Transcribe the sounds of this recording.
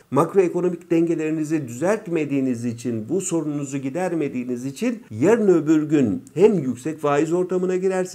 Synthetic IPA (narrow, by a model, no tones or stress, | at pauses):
makɾo̞e̞ko̞no̞micd̪̥ɛɲɟe̞lʲe̞ɾinizid̪yzæɾt̪me̞d̪iːnizit͡ʃʰinbuso̞ɾunnuzuɟid̪æɾme̞d̪iːnizit͡ʃʰinjæɾnø̞byɾɟynhæmjycsɛcvaːizo̞ɾt̪ʰamɯnaɟiɾæɾs